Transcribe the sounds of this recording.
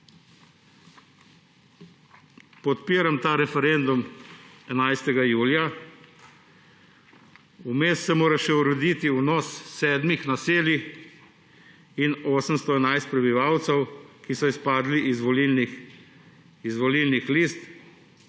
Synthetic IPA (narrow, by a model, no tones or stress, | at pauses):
pɔt̪piːɾamt̪aːɾɛfɛɾend̪umɛnajst̪ɛɡajuːlja | umeːssɛmoːɾaʃɛuɾɔd̪iːt̪iunɔːsːɛːd̪mixnaseːli | inoːsəmst̪ɔɛnajst̪̚pɾɛbiʋawt̪sɛwkisɔispaːd̪liʔizʋɔini | izʋɔlilnixlist̪